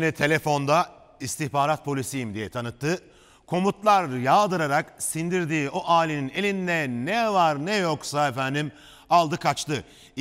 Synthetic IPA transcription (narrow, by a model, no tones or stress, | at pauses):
nit̪ʰe̞lʲefo̞nd̪a | ist̪ʰiçbaːɾat̪̚pʰo̞lʲisijimd̪ijɛt̪ʰanɯt̪ːɯ | kʰo̞mut̪lˠaɾjaːd̪ɯɾaɾaksind̪iɾd̪iːo̞ʔaːlʲinine̞lʲind̪ɛnɛvaɾnɛjoksaefænd̪im | alˠd̪ɯkʰat͡ʃt̪ɯ